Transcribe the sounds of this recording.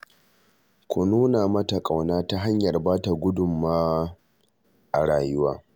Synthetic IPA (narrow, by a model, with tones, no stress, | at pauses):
kʷʊ˨nuː˦na˨mɐ˦ta˨kʼa˨wnaː˦ta˦ɦa˦ɲjɐ˨rbaː˦ta˨ɡʷʊ˦dʊ˨mːaː˦ | ʔa˨ɽaː˨jʊ˦waː˦